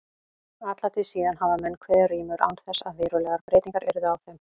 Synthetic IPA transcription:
at̪lat̪ʰɪsiːðanhavamɛnːkʰvɛːriːmʏɾʔa̰wnθɛsːaðvɪːɾʏlɛɣaɾpɾejt̪iŋkaɾʔɛɾʏðʏawθɛm

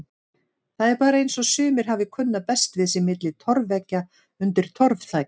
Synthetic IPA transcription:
θaðɛɾpaːɾaejnsɔsʏːmɪɾ̥ɦavɪkʰʏnːapɛst̪vɪðsɪmɪt̪lɪt̪ʰɔɾvɛcːa | ʏnt̪ɪɾ̥t̪ʰɔɾvθaːj

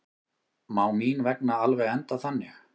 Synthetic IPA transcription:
maːwmiːnvɛknaalvɛɣɛnt̪aθanːɪx

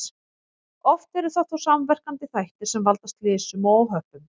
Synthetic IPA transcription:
ɔft̪vɛɾʏ̥θaðθawsamvɛr̥kant̪ɪθajht̪ɪɾ̥sɛmvalt̪ast̪lɪːsʏmɔwɦœhpʏm

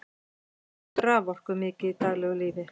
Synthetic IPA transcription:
t̪ɾaːvɔr̥kʏmɪːcɪit̪aːɣlɛːɣʏliːðɪ

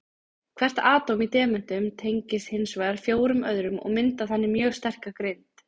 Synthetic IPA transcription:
kʰvɛr̥t̪aːt̪owmit̪ɛːmʏn̥t̪ʏmt̪ʰejɲcɪshɪnsvaːjðaɾfjoːwɾʏmœðɾʏmɔ̰ɣmɪnt̪aθanːɪmjœːɣst̪ɛr̥kakɾent̪

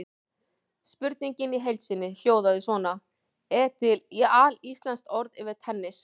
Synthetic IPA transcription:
spʏɾt̪niɲcɪniɦejlt̪sɪnːɪl̥joːwðaðɪsvɔːna | ɛt̪ʰɪlialist̪lanst̪ɔɾðɪːvɪ̥t̪ʰɛnːɪs

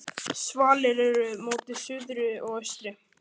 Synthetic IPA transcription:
svaːlɪɾɛɾʏmoːt̪ɪðsʏðɾʏɔɣœɥst̪ɾɪ

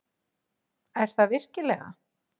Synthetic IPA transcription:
ɛɾ̥θavɪr̥cɪlɛɣa̰

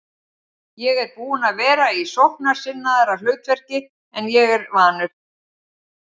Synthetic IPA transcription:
jɛɣɛɾpuːʏnaðvɛːɾaisowhknaɾ̥sɪnːaðɛɾalœːɥt̪vɛr̥cɪ | ɛnjɛɣɛɾvaːnʏɾ̥

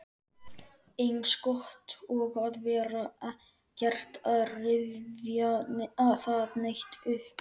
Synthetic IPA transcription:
ejnskɔht̪ɔɣaðvɛːɾa | cɛr̥t̪aðrɪvðjaaðθaðnejht̪ʏhp

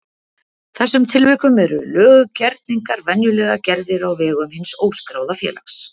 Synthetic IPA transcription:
θɛsːʏmt̪ʰɪlvɪkʏmɛɾʏ̰lœːɣʏcɛɾt̪̚niŋkaɾvɛnjʏlɛːɣacɛɾðɪɾawvɛːɣʏmhɪnsoːwskɾawðafjɛ̰ːla̰xs

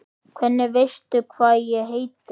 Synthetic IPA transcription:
kʰvɛnːɪvejst̪ʏkʰvaːðjɛɣɦejt̪

